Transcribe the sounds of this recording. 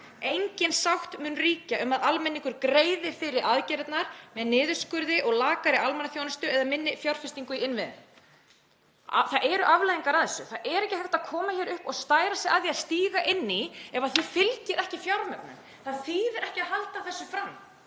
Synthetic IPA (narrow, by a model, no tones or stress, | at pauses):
ejɲcɪnsawht̪mʏːnriːcaʔʏmaðalmɛnːiŋkʏɾkɾeːjðɪfɪɾɪɾaðcɛɾɛt̪naɾ̥mɛðnɪːðʏ̥skʏɾðɪʔɔɣlaːkaɾɪalmɛnaθjownɪst̪ʏɛðamɪnːɪfjawɾ̥fɪst̪iŋkʏiɪnvɪðn | θaðʔɛɾʏʔavlajðiŋkaɾaðθɛsːʏθaðʔɛɾɛhcɪhɛft̪akʰɔːmaçɛɾʏhpɔɣst̪aːjɾasɛɣaðiaðst̪iːɣaʔɪnːiɛvaðθifɪlcɪɾʔɛhcɪfjawɾmœknʏ̰m | θaðθiðɛɾɛhcɪaðɦalt̪avθɛsːʏfɾamː